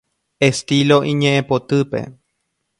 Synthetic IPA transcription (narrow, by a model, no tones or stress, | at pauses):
est̪ilo̞ʔĩɲẽʔẽpot̪ɨpe̞̰